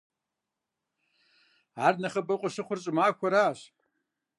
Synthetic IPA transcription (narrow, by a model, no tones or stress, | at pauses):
arnaχɐbɨqʷʼaʂɨχʷʊrt͡ʃʷʼmaːkʷʰaɾaːʃʼ